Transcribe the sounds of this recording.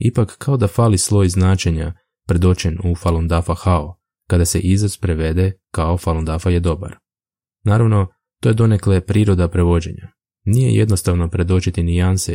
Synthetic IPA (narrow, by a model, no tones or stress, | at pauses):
ipakːao̞d̪afaːlislˠo̞jznaːt͡ʃe̞ɲa | pɾe̞d̪o̞t͡ɕenufalˠond̪afaxao | kad̪ase̞̰ʔizazpɾeʋe̞d̪e̞kao̞falˠond̪afaje̞d̪o̞ba̰ɾ | naːɾaʋno̞ | t̪o̞je̞d̪o̞ne̞klepɾiːɾo̞d̪apɾe̞ʋo̞d͡ʑe̞̰ɲa̰ | nije̞̰jed̪no̞st̪aʋno̞pɾe̞d̪o̞t͡ʃit̪inianse